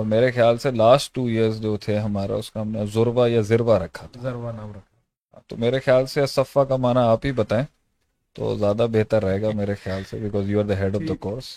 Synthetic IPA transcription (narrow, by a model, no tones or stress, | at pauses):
ɔːɾmeːɾexjaːlselaːsʈːuːiəɾzd͡ʒoːt̪ʰeɦɐmaːɾḛʊskaɦɐmnezʊɾʋajazɪɾʋaɾɐkʰːa | at̪o̰meːɾexjaːlsesɐfakamaːnaaːpɦibɐt̪aːẽː | t̪o̰ːzjaːd̪abeɦt̪əɾːɐɦeːɡameːɾexjaːlsḛbɪkɔːzjuːaɾd̪əɦɛɖɔʋd̪əkɔːɾs